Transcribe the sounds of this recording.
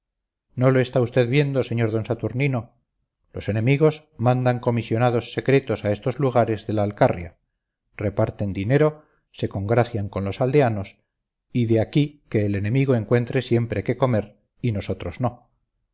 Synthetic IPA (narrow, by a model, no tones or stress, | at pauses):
no̞lo̞e̞st̪aust̪eðβje̞nd̪o̞se̞ɲo̞ɾðo̞nsat̪uɾnino̞ | lo̞se̞nẽ̞miɣ̞o̞s | mãnd̪aŋko̞misjo̞naðo̞sːe̞kɾe̞t̪o̞sae̞st̪o̞zluɣ̞aɾe̞zðe̞laːlkarja̰ | re̞paɾt̪e̞nd̪ine̞ɾo | se̞ko̞ŋɡɾaθjaŋko̞nlo̞sald̪e̞anos | iðe̞akike̞ːle̞nẽ̞miɣo̞e̞ŋkwe̞nt̪ɾe̞sje̞mpɾeke̞ko̞me̞ɾ | ino̞so̞t̪ɾo̞zno̞